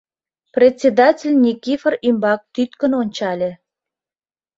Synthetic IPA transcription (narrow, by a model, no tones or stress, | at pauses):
prʲetʲt͡sʲed̪ɑtʲelʲnʲikʲifərimbɑk̚t̪yt̪kə̆nonʲt͡ɕɑlʲĕ